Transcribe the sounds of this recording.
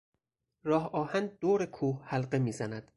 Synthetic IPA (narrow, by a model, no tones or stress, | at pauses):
ɾɒːhɒːhænd̪̚d̪oːɾekʰuːhhælɢe̞miːzænæd̪̥